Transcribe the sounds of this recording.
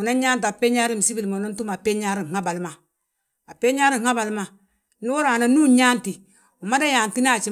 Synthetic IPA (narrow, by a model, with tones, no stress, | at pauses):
u˨na˦ɲa˦nt̬a˨pe˦ɲa˦ɾi˦˨m˨si˦bi˨lma˨na˦n˦tu˦ma˨pe˦ɲa˦ɾi˦˨ŋ˨ŋa˦ba˨lma˨ | a˨pe˦ɲa˦ɾi˦˨a˦ba˨lma˨ | nu˦o˦ɾa˨na˨nu˦ɲa˦nti˨ | u˨ma˦da˦ja˨n˨ti˦na˦˨t͡ʃi˦